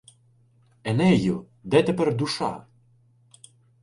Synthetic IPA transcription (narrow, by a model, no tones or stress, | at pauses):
ɛnɛjʊ | d̪ɛt̪ɛpɛrd̪uʃɑ̰